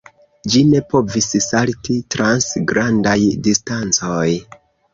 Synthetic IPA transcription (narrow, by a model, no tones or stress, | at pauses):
d͡ʒine̞po̞vissaltitɾansɡɾandajdistant͡soj